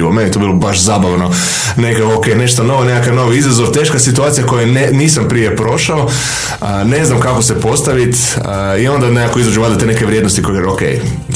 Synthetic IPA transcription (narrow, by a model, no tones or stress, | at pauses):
ʋomenit̪obilˠobaʃzaːbaʋno̞ | nekakookejne̞ʃt̪ono̞ʋone̞kakaʋno̞ʋiizazoʋt̪eʃkasit̪uaːt̪sijako̞jeneniːsampɾije̞pɾo̞ʃao | əne̞znamkakosepo̞st̪aʋit̪ | io̞nd̪anekakoizad͡ʒuʋad̪at̪enekeʋɾjed̪nost̪ikojeɡaokḛj